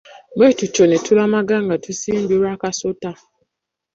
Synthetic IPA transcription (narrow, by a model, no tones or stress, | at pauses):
ɡ͡betut͡ʃonetulamaɡaŋatusin̩buɾakasota